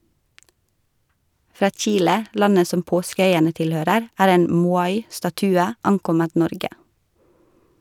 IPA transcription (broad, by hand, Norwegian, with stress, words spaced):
ˈfɾɑː ˈc͡çiːlə ˈlɑnə ˈsɔm ˈpoːskəˌœʏənə ˈtɪlˌhøːɾəɾ ˈæːɾ ˈeːn ˈmuːɑɪ stɑˈtʉːə ˈɑŋˌkɔmət ˈnɔɾɡə